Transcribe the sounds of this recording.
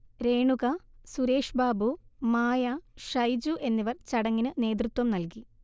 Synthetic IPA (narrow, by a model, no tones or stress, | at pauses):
ɾe̞ːɳuɣɐsuɾe̞ːʂbaːbumaːjɐʂɐjd͡ʑuʔe̞nːiʋɐrt͡ɕɐɽɐŋːinɨne̞ːd̪rut̪wɐmnɐlki